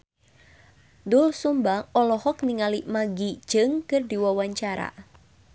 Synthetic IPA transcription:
dʊlsumbaŋɔlɔhɔkniŋalimaɡid͡ʒɨŋkɨrdiwawaɲt͡ʃaɾa̰

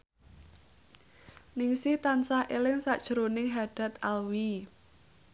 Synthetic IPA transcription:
nɪŋsɪht̪ansahʔelɪŋsaʔd̥ʒ̥əɾonɪŋɦaɖ̥a̤t̪alwi

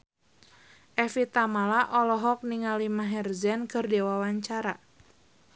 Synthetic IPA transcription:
ʔɛfit̪amalaʔɔlɔɦɔk̚niŋalimaɦɛrzɛnkɨrdewawaɲt͡ʃaɾa

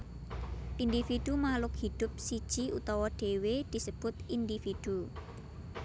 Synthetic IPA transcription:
ʔind̪ifid̪̥umalʊkhid̪̥ʊ̤p̚sid̥ʒ̥iut̪ɔwɔɖ̥e̤wed̪̥i̤səb̥ʊt̪ind̪ifid̪̥u

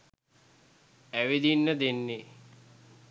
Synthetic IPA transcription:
æʋed̪inːəd̪enːe

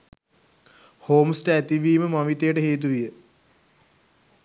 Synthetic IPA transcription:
hoːmsʈaːt̪ːiʋiːmɨmɐmit̪ːeːʈɨɦeːt̪̬ːuʋijɨ

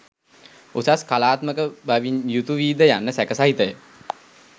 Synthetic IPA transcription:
usaskalaːt̪məkəbaʋinjut̪uʋiːd̪əjanːəsækəsaɦit̪əjə

